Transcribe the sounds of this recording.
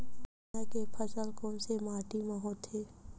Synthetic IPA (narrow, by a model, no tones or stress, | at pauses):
akepʰəsəlkɔːnsemaːʈimaɦoːt̪ʰːeː